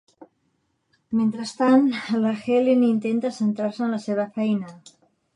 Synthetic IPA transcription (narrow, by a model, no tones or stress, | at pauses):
ment̪ɾast̪anlaxelenint̪ent̪asent̪ɾaɾseənlaseβ̞əfɛjna